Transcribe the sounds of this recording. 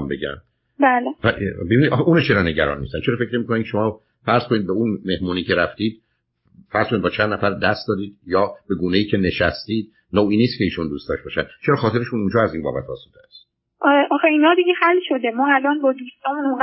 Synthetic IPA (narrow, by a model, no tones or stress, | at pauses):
mbeɟæ̰m | bæːlevæbebinid̪ɒxeʔuːnet͡ʃʰeɾɒːne̞ɟæɾɒ̰ːnmḭst̪ænt͡ʃʰeɾɒːfecɾemiːkʰonæmʰʲeʃomɒː | fæɾz̥kʰoniːd̪̚beunme̞hmuːniːcʰe̞ɾæft̪iːd̪̚ | fæɾz̥konid̪bɒːt͡ʃʰænd̪næfæɾd̪æst̪d̪ɒːd̪iːd̪jɒːb̥e̞ɡuːnejiːcʰe̞ne̞ʃæst̪iːd̪ | nowiːniːst̪̚cʰe̞iːʃund̪uːst̪ɒːʃbɒːʃænd̪t͡ʃʰeɾɒːxɒːt̪e̞ɾeʃunund͡ʒɒːæziːnbɒ̰ːbæ̰t̪ʰɒ̰ːsud̪eæst̪ | ʔʔɒːxeiːnɒːd̪iɡehælʃod̪emɒːælɒːnbɒːd̪uːst̪ɒːmũnoŋɡ